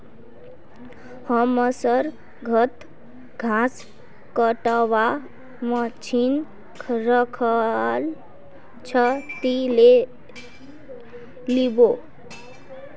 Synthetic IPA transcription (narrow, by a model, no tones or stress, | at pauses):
həməsəɾ | ɡʱət̪ | ɡʱãs | kəʈəwa | mət͡ʃʰin | kʰɾəkʰəl | t͡ʃʰʌt̪ile | libo